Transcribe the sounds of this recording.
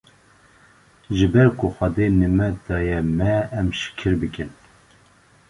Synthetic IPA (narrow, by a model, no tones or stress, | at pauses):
ʒɨbɛɾkʰʊxɛd̪enɨmɛd̪̥ɑːjɛmɛːmʃɪ̥kʰɨɾbɨkɨn